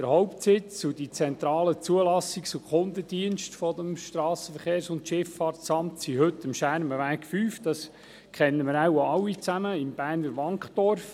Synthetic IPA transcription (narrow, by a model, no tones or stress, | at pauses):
əɾhɔʊpt̪sɪt͡sʊd̥it͡sɛnt̪ɾɑːlət͡suəlɑsikt͡sukχʊnd̪ədiənʃtfɔd̪əmʃtrɑːsəfəχeːɾsʊntʃɪffɑːɾtsɑmtsiɦɵt̪əmʃæɾməʋæːkfyːfd̥ɑs | kχɛnːəmɪɾawaɑlːit͡sæməɪmb̥æːɾnəɾʋɑŋkχd̥ɔrf